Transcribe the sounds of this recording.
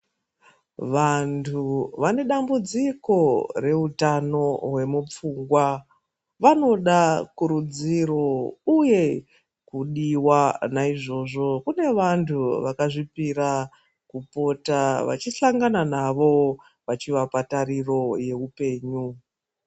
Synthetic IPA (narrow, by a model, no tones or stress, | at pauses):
ʋantʰuʋane̞ɗambud͡ziko̞re̞utano̞ɦwe̞mup͡fuːŋɡwa | ʋano̞ɗakuɾud͡ziro̞uje̞ | kuɗiwanaiʐo̞ːʐo̞kune̞ʋantʰuʋakaʐipiɾa | kupo̞taʋa̰t͡ʃiɬaŋɡananaʋo̞ | ʋat͡ʃiʋapataɾiro̞je̞upe̞ːɲu